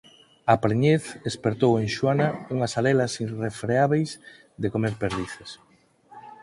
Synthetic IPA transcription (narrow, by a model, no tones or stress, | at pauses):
apɾeɲeθespeɾt̪owẽŋʃwanauŋɐsaɾɛlasirefɾeaβejz | d̪ekomeɾpeɾðiθes